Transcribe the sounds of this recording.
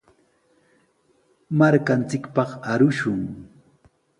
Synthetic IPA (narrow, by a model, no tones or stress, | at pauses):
maɾkant͡sɪkpɑχaɾʊʃʊŋ